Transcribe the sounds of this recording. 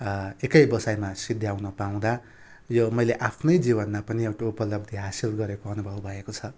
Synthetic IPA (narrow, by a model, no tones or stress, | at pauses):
ekʌjbʌsajmasid̪ʱjawnʌpaw̃d̪a | jomʌjleʔapʰnʌjd͡zibʌnmapʌniewʈaupʌlʌb̚d̪ʱiɦasilɡʌɾekoʌnubʱʌbbʱʌekot͡sʰʌ